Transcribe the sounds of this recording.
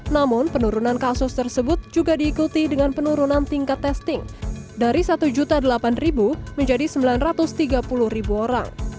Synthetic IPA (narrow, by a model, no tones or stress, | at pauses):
namʊnpənuɾunankasʊst̪ərsəbʊt̪̚d͡ʒuɡadiːkut̪idəŋanpənuɾunant̪iŋkat̪ːɛst̪ɪŋdaɾisat̪ud͡ʒut̪adəlapanribuməɲd͡ʒadisəmbilanrat̪ʊst̪iɡapulʊhribuoɾa̰ŋ